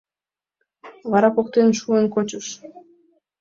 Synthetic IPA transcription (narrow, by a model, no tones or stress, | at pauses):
vɑɾɑpok̚t̪enʃuənkot͡ɕuʃ